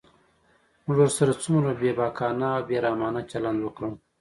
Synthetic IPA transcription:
muʐwoɾsaɾat͡sumɾabebɑːkʰɑːnaːwbeɾaːmɑːnat͡ʃaland̪wəkɽəm

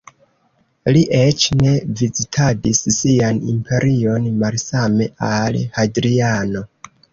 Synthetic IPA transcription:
liʔet͡ʃne̞vizitʰadisːianḭmpʰe̞ɾʔio̞nmalsame̞alhadɾiano̞

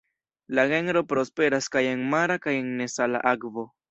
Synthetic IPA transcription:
laɣeŋɾopɾospeɾaskajeŋmaɾakajeŋnesala̰ʔakvo

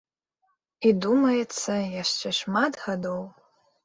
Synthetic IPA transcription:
idumajet͡sʰːajaʂt͡ʃʰaʂmadħadow

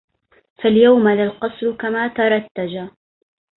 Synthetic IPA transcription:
faljawmalalqɑsˤɾʊkamaːt̪ɑɾˤɑt̪ːad͡ʒa

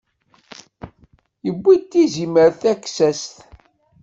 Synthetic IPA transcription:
jəbːit̪ːiziməɾθækːsæst̪

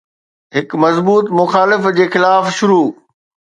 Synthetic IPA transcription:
ɦɪkmɐzbuːt̪mʊxaːlɪfd͡ʑeːxɪlaːfʃʊɾuː

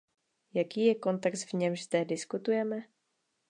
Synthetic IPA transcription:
jakiːjɛko̞nt̪ɛkst̪vɲɛmʒzd̪ɛdɪskut̪ujɛmɛ

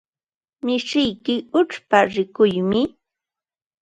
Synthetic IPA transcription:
mɪʃɪjkɪʊʈ͡ʂpaɾɪkʊjmɪ

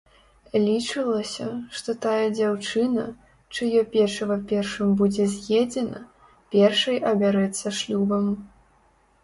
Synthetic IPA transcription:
lʲit͡ʂɨlˠɐsʲɐʂt̪ɔt̪ajɐd͡zʲawt͡ʂɨnɐ | t͡ʂɨjɔpʲɛrʂɐvɐpʲɛrʂɨmbud͡zʲɛzʲjɛd͡zʲɛnɐ̰ | pʲɛrʂɐjʔɐbʲaɾɛt̪sːɐʂlʲubɐm

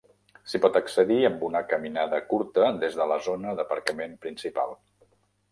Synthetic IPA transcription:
sipɔt̪əksəðiəmbunəkəminaðəkuɾt̪əd̪ezðələzonəðəpəɾkəmempɾinsipa̰lˠ

